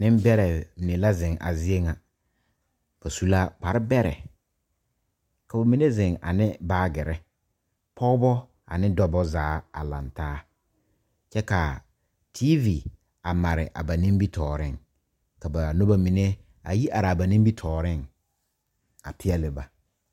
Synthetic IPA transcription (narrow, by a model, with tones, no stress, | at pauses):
nɪ˦m˦bɛ˦ɾɛ˨nɪ˨la˦zɪ̃˨ŋʔa̰˨zɪ˦e˦ŋa˨ | b̥a˨su˦laː˦k͡pa˨ɾɪ˦bɛ˦ɾɛ̰˨ | ka˨ba˨mi˨ne˦zɪ˨ŋa̰˨nɪ˦baː˦ɡɪ˨ɾɪ˦ | pʰɔː˦bɔ˦ | a̰˨nɪ˦dɔ˦bɔ˦zaː˨˦a̰˨la̰˨ntaː˦ | t͡ʃɛ˦ka˨ | tʰi˦vi˨ | a˨ma˨ɾɪ̰˨ʔa̰˨ba˨nĩ˦m˦bi˦tʰɔː˨ɾɪ˦ŋ | ka˨ba˨no˦ba˦mi˨ne˦ | a̰˨ji˦ʔa˨ɾa˨ba˨ni˦bi˦tʰɔː˨ɾɪ˦˨ŋ | a̰˨pʰɪ˦ɛ˦lɪ˨ba˨